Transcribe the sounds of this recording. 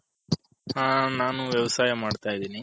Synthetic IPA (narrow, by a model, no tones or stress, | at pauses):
haːnaːnuʋjɐʋɐsaːjɐmaːɖt̪aːjid̪iːni